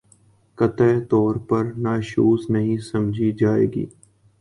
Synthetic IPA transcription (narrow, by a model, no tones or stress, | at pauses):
kət̪ət̪ɔːɾpɐɾnaːʃuːsnəɦĩsɐmd͡ʒʱid͡ʒaːḛːɡḭː